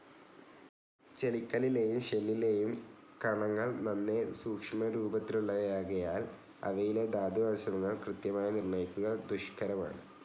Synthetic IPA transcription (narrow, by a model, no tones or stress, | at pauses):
t͡ɕelikʲːɐlile̞jumɕelːile̞jum | kɐɳɐŋːɐɭnɐnːe̞suːkʂɐmɐɾuːbɐt̪ːiluɭːɐʋɐjaːɣɐjaːl | ɐ̰ʋɐjile̞d̪aːd̪iʋɐsɐnɐŋːɐɭkrɨt̪jɐmaːjɐnirnɐjikʲːuɣɐd̪uʂkʰɐɾɐma̰ːɳɨ